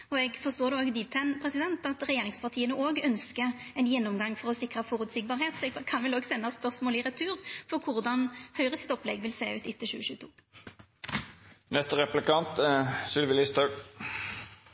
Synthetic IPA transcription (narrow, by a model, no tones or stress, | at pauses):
ɔɛɡfɔst̪oːʁd̪ɛoːɡd̪iːt̪ʰɛnpʰɾɛsɪd̪ɛnt̪ɑt̪ʁɛjeːʁɪŋspɑʁt̪ʰiːənəʔoːɡœnskəɛnjɛnːɔmɡɑŋːfɔʁɔsɪkʁɑfɔɾʉːt̪sɪk̚bɑːʁheːt̪sɔɛɡkʰɑnʋɛloːɡsɛnːɑspœʁsmoːlɪʁɛt̪ʰʉːʁfɔɾkʰʊʁd̪ɑnhœʏʁəsɪ̥t̪ɔplɛ̰ɡʋɪlsḛːʉ̰ːt̪ɪt̪ʰːəʃʉ̰ːəʃʉːt̪ʰṵː | nɛst̪əʁɛplɪkɑnt̪sʏlʋɪlɪst̪ʰøk